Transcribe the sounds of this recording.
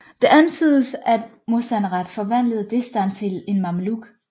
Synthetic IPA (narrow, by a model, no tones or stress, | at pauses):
d̥e̝ʔænt͡sʰy̰ːðˠəsæd̥ | mosænʁɑd̥fɒ̽ʋæn̰ləð̞̩ˠd̥e̝sd̥ænt͡sʰe̝le̝nmɑmluɡ̥